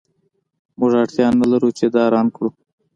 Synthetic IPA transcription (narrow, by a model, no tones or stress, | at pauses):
mʊʐɑʈt̪jɑnːəlaɾut͡ʃed̪ɑɾɑnkɽu